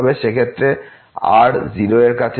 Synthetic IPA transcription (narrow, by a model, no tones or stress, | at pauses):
beʃekʰet̪ːɾe | a̰ɾd͡ʑiɾoeɾkat͡ɕʰ